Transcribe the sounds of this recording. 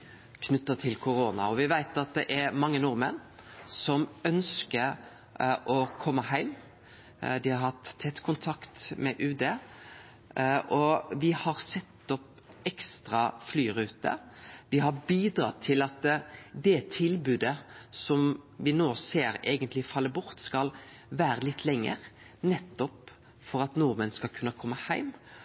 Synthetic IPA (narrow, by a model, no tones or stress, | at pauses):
kʰnʉt̪ːət̪ʰɪlkʰʊɾoːnɑ̰ɔʋɪʋæɪt̪ɑt̪̚d̪ɛʔɛɾmɑŋːənʊɾmənːsɔmœnskəɾ | ʔɔkʰɔmːəhæɪm | d̪ɪhɑɾhɑt̪ʰːɛt̪ːkʰʊnt̪ʰɑkt̪mɛʔʉːd̪eː | ʔɔʋɪhɑɾsɛt̪ːɔp | ɛkst̪ɾɑflyːʁʉːt̪ə̰ʋ̪ɪɦɑbiːd̪ɾɑ̰t̪ʰɪlɑt̪d̪ɛt̪ʰɪlbʉːd̪əsɔmʋɪnoːseːɾeːɡənt̪lɪfɑlːəbʊɾt̪skɑl | ʋæːɾəlɪt̪ʰːlɛŋːə̰ɾ | nɛt̪ːɔp | fɔɾɑt̪nuːɾmənskɑlkʰʉnəkʰɔmːəhæɪm